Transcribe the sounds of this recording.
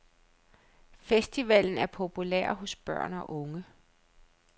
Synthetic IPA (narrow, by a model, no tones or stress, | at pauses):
fesd̥iʋæl̰n̩æɐpʰo̝pʰulḛɐ̰ɦɔ̽sb̥ɶ̰ɐ̰nɒ̽ʔɔ̽ŋə